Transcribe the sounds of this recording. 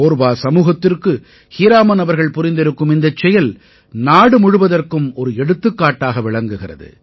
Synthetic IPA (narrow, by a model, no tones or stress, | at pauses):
oːɾbaːsɐmuːɣɐt̪ːɪrkɯ | hiɾaːmɐnɐʋɐɾɣɐɭpʊɾɪnd̪ɪɾɯkːɯmɪnd̪ɐt͡ʃːɛjɐl | naːɽɯmʊɻɯʋɐðɐrkɯmɔɾɯɛɽɯt̪ːɯkːaːʈːaːɣɐʋɪɭɐŋɡɯɣɪrɐ̰ðɯ̰